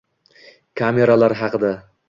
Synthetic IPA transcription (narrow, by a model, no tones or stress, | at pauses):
kʰame̞ɾalaɾɦɑqɨd̪a